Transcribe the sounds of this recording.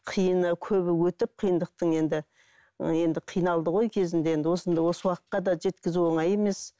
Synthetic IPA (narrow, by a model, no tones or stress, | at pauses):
qʰijənəkʲʰɵβɪwɵt̪ɪp̚qʰijənd̪əq̚t̪əɴe̞nd̪ɪ | je̞nd̪ɪqʰijnɑlˠd̪əʁo̞jkʲʰe̞zɪnd̪eje̞nd̪ɪwo̞sənd̪ɑjwo̞səwɑqət̪̚qːɑd̪ɑʒe̞t̪kʲɪzuo̞ɴɑje̞me̞s